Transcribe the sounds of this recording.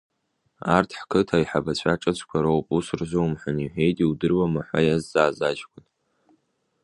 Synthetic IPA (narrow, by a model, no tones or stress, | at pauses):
a̰ːrtʰħkʰɨtʰaːiħabɐt͡ɕʷʰaʈ͡ʂʼɐt͡ɕʷʰʼkʷʰɐɾɐwpʼusɨrzʷowmħʷʊniħʷeːjdiwdɨrwɐmɐħʷa̰jazzaːzaːd͡ʒkʷʰʼʊn